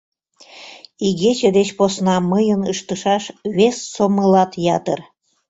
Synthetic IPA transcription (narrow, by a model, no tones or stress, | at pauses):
iɣet͡ɕəd̪et͡ɕposnɑməjənəʃt̪əʃɑʃβesːoməlɑt̪jɑt̪ər